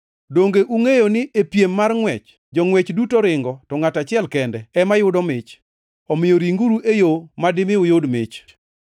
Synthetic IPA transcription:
doŋɡeʔuŋejonɪʔepjemːarŋwɛt͡ʃ | d͡ʒɔŋwet͡ʃdutoɾɪŋɡɔtɔŋatat͡ʃɪɛlkɛndɛɛmajʊdɔmɪt͡ʃ | ɔmɪjoɾiŋɡuɾuʔejomadɪmɪʊjodmɪ̰t͡ʃ

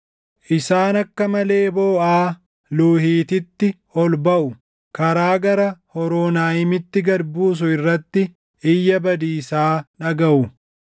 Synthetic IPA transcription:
ʔɪsaːnɐkːɐmɐle̞ːboːʔaː | luːhiːt̪ɪt̪ːɪ | ɔlbɐʔʊ | kɐɾaːɡɐɾɐhɔɾoːnaːjɪmɪt̪ːɪɡɐɾbuːs̬ʊɪrːɐt̪ːɪ | ʔɪjːɐbɐd̪iːsaːᶑɐɡɐʔʊ

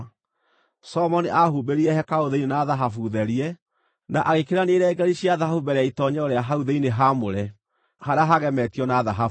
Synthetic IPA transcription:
sɔmɔniʔahuːbeɾiɛhɛkaoðeinenaðaɦafuðɛɾiɛ | naʔaɣekeɾaneːɾɛɡɛɾiɕiaðahafubɛɾeaitɔɲɛɔɾeaɦauðeineɦamoɾɛ | haɾaɦaɣɛmɛtiɔnaðaɦaf

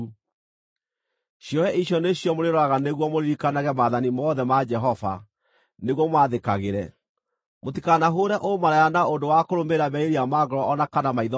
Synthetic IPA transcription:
ɕjɔɛiɕjɔneɕjɔmoɾeɾɔaɣaneɣwɔmoɾiɾikanaɣɛmaðanimɔːðɛmad͡ʒɛɦɔva̰ | neɣwɔmwaðekaɣeɾɛ | motikanaɦoːɾɛʔomaɾajanaondowakoɾomeɾaβɛeɾiamaɣɔɾɔɔnakanamaiðɔ

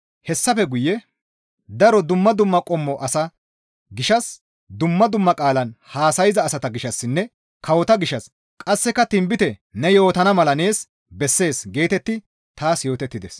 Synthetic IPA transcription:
hɛsːɐfɛɡʊjːɛ | d̪ɐɾɔd̪ʊmːɐd̪ʊmːɐkʼɔmːɔʔɐsɐ | ɡɪʃɐs | d̪ʊmːɐd̪ʊmːɐkʼaːlɐnhaːsɐjɪzɐːsɐt̪ɐɡɪʃɐsːɪnːɛ | kɐwɔt̪ɐɡɪʃɐs | kʼɐsːɛkɐt̪ɪmbɪt̪ɛnɛjo̞ːt̪ɐnɐmɐlɐne̞ːs | bɛsːe̞ːsɡe̞ːt̪ɛt̪ːɪ | t̪aːsjo̞ːt̪ɛt̪ːɪd̪ɛs

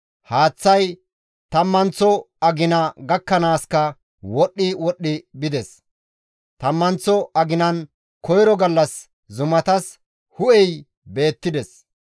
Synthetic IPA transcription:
haːt͡sːɐj | t̪ɐmːɐnt͡sːɔ | ɐɡɪnɐɡɐkːɐnaːskɐ | wɔɗːɪwɔɗːɪbɪd̪ɛs | t̪ɐmːɐnt͡sːɔɐɡɪnɐn | kɔjɾɔɡɐlːɐs | zʊmɐt̪ɐs | hʊʔɛj | be̞ːt̪ːɪd̪ɛs

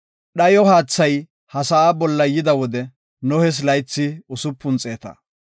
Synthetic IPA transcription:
ɗɐjɔɦaːt͡sːɐj | hɐsɐaːbɔlːɐjɪd̪ɐwɔd̪ɛ | nɔhɛs̬lɐjt͡sːɪʊsʊpːʊnt͡sʼe̞ːt̪ɐ̰

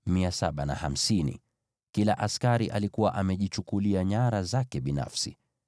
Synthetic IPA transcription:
miasaɓana̰ham̩sinḭ | kilaʔaskaɾiʔalikuwaʔamɛʄit͡ʃukuliaɲaɾazakɛɓina̰fsi

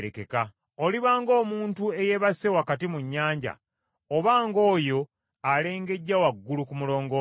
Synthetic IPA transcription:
ɾekeka | o̞liβaːŋɡo̞ːmuːntue̞je̞βase̞wakatimuɲːaːɲɟa̰ | oβaːŋɡo̞ːjo̞ | ale̞ːŋɡe̞ɟːawaɡːulukumulo̞ːŋɡo

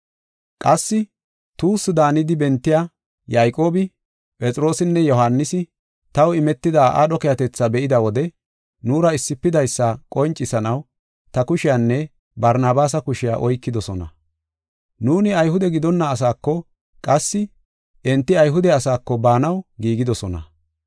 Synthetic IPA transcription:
kʼɐsːɪ | t̪uːsɪd̪aːnɪd̪ɪbɛnt̪ːɪjaː | jaːjkʼo̞ːbɪ | pʼɛt͡sʼɾo̞ːsɪnːɛjɔhanːɪsɪ | t̪ɐwɪmɛt̪ːɪd̪aːʔa̰ɗɔkɛjɐt̪ɛt͡sːabɛʔɪd̪ɐwɔd̪ɛ | nuːɾɐɪsːɪpːɪd̪ɐjsːakʼɔnt͡ʃʼːɪsɐnɐw | t̪ɐkʊʃɪjanːɛ | bɐɾnaːbaːs̬ɐkʊʃɪja̰ːʔɔjkːɪd̪ɔsɔnɐ̰ | nuːnɪɐjhʊd̪ɛɡɪd̪ɔnːɐːs̬aːkːɔ | kʼɐsːɪ | ʔɛnt̪ːɪɐjɦʊd̪ɛɐsaːkːɔbaːnɐwɡiːɡɪd̪ɔsɔnɐ̰

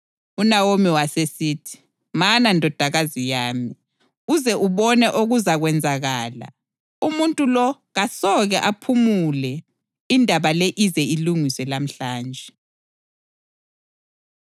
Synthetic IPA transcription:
unawomiwasesiːtʰi̥ | manandʱɔd̥ʱaɣazijaːmi | uzɛʔuβɔnɛʔoɣuzaɣwɛnd͡zʱaɣaːla̰ | umuntʼulɔ | ɣasɔɣɛʔapʰumulɛ | indʱaβalɛʔizɛiluŋiswɛlam̩ɬaːnd͡ʒʱɛ

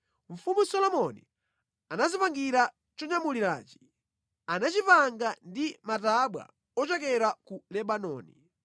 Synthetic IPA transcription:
ɱ̩fumusɔlɔmɔnḭ | anazipaŋɡiɾa | t͡ʃɔɲamuliɾa̰ːt͡ʃi̥ | anat͡ʃipaŋɡandimataɓwa̰ | ɔt͡ʃɛkɛɾakulɛɓanɔ̰ːni

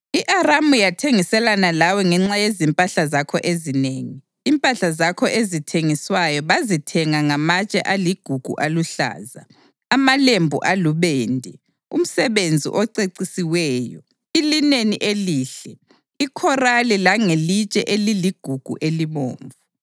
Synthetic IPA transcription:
iʔaramujatʰeŋisɛlanalawɛŋɛŋ͡ǁajezimpʼaɬazakʰɔʔezineːŋiːmpʼaɬazakʰɔʔezitʰeŋiswajɔβazitʰɛŋaŋamat͡ʃʼɛ̰ʔaliɡ̥ʱuɡ̥ʱṵʔaluɬa̰ːza̰ː | malembʱṵʔaluβeːndʱɛ | ṵm̩sɛβend͡zʱḭʔɔǀeǀisiwɛːjɔ̰ | ilineniʔeliːɬɛ | ikʰɔralilaŋelit͡ʃʼɛʔeliliɡ̥ʱuɡ̥ʱṵʔelimo̰ːɱvu

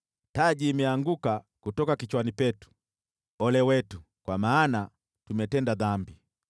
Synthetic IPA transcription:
taʄiːmɛaŋɡuka | kutɔkakit͡ʃwanipɛtu̥ | ɔlɛwɛtu | kwamaːna | tumɛtɛndaðambi

